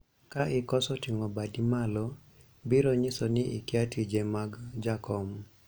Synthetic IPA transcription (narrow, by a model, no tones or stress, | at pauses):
kaʔɪkɔsɔtiŋɔbadimalɔ | biɾoɲɪsɔnɪʔɪ̰kjatid͡ʒemaɡd͡ʒakɔm